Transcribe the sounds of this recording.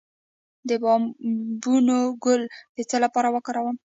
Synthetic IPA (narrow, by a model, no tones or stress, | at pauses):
d̪əbɑmbunoɡʊlpet͡salapɑɾawəkɑɾawəm